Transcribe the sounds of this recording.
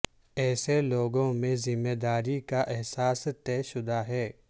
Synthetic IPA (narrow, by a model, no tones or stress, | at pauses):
ɛːseloːɡõmẽzɪmːeːd̪aːɾikaʔɛɦsaːst̪ɛːʃʊd̪aɦɛː